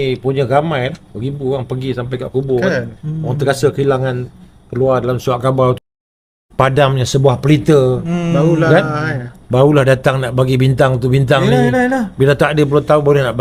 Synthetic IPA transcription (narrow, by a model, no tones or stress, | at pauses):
puɲəɡamãjbəɡibuoaŋpəɡisampajka̰ʔkubʊoɣaŋt̪əɡasəkəilaŋan | kəluardalamsuaʔkabalt̪ | padamɲãsəbuahpəlit̪əbaulkanbaɾulahdat̪aŋnaʔbaɡibint̪aŋt̪ubint̪aŋniabidat̪aŋadəp̬əluot̪aunbaulahnaʔ